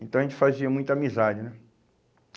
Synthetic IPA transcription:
ẽt̪ɐ̃w̃ɐʒẽt͡ʃɪfaziɐmũj̃t̪amizad͡ʒɪnɛ

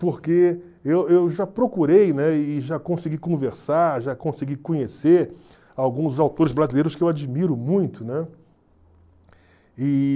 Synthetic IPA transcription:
poɾke | ewewʒapɾokuɾejnɛɪːʒakõsiɡikõveɾsaɾʒakõsiɡikõɲeseɾ | awɡũzzawt̪oɾɪzbɾazilejɾʊskɪewad͡ʒimiɾʊmũj̃t̪ʊnɛ | ɪ

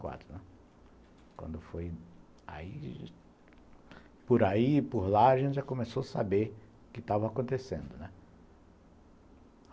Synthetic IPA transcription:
kwa̰t̪ɾʊnɛ | kwɐ̰̃nd̪ʊfoj | a̰i | pʊɾaipʊɾlaaʒẽntt͡ʃɪʒakõmesoasabeɾ | ʊkɪt̪avɐakõnt̪esḛ̃nd̪ʊnɛ

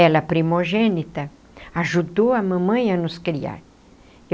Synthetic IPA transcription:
ɛlɐpɾimoʒenit̪ɐ | aʒud̪oɐmɐ̃mɐ̃j̃ɐnʊskɾia̰ɾ

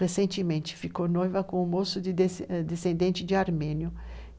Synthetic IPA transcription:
esẽnt͡ʃɪmẽnt͡ʃɪ̥fikonojvɐkõʊ̃mosʊd̪ɪd̪esẽnd̪ẽnt͡ʃɪd͡ʒɪaɾmẽnjʊ

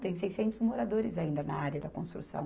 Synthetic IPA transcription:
t̪ẽj̃sejsẽnt̪ʊzmoɾad̪oɾɪzaĩnd̪ɐnɐaɾʲjɐd̪ɐkõst̪ɾusɐ̰̃w̃

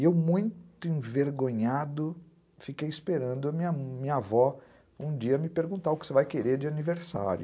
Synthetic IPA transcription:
ewmũj̃t̪ʊẽveɾɡõɲad̪ʊ | fikejispeɾɐ̃nd̪ʊɐmĩɲɐmĩɲɐavɔ | ũd͡ʒiɐmɪpeɾɡũnt̪aɾʊkɪsevajkeɾeɾd͡ʒɪaniveɾsa̰ɾjʊ

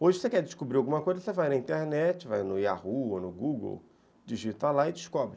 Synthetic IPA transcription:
oʒɪosekɛd͡ʒɪʃkubɾiawɡũmɐkojzɐsevajnɐĩnt̪eɾnɛt͡ʃɪva̰jnʊia̰huonʊɡuɡo̰w | d͡ʒiʒit̪alaɪd͡ʒɪʃkɔbɾɪ

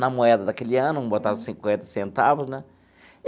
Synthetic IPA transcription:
nɐmoɛd̪ɐd̪ɐkeliãnʊbot̪ad̪ʊsĩŋkwẽnt̪ɐ̥sẽnt̪avʊznɛ̃

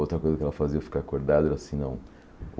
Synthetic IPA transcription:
owt̪ɾɐkojzɐkɛlɐfaziɐfi̥kaakoɾd̪ad̪ʊɛɾɐasĩnɐ̰̃w̃

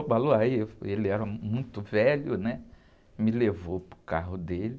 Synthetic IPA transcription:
k͡paloaieliɛɾɐmũj̃t̪ʊvɛlʊnɛ | milevopɾʊ̥kaɦʊd̪elɪ

